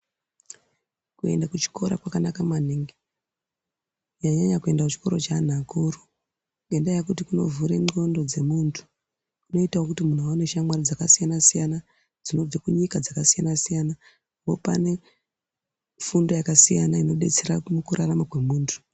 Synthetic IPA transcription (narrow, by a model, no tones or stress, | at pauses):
kue̞̰ndakut͡ʃi̥ko̞ɾa̰kwakanakamaniŋɡe | ɲaɲaɲakue̞ndakut͡ʃi̥ko̞ɾo̞t͡ʃan̤akoru | endajakutikuno̞̰vuɾeŋ͡ǃo̞ndo̞d͡ze̞muːntʰu̥ | ino̞itawokutimun̤uaune̞ʃamwarod͡zakasijanasijana | d͡zino̞vekuɲikad͡zakasijanasijana | apopa̰ne̞ | fundo̞jakasijanaino̞ɗe̞t͡se̞ɾamukurʔaramakwe̞muːntʰu̥